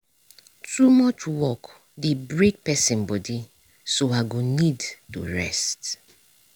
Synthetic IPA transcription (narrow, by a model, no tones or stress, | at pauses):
tumɔt͡ʃwɔk | debɹek̚pɛsĩnbɔdi | soaɡonidtṵɹɛ̰st